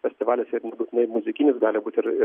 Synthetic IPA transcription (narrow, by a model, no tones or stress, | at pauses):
fʲɛsʲt̪ʲɪʋɑːlʲɪsɪɾnʲɛbut̪ʲɪnɐɪmʊzʲɪkʲɪnʲɪsɡɑːlʲɪbuːt̪ʲɪɾɪ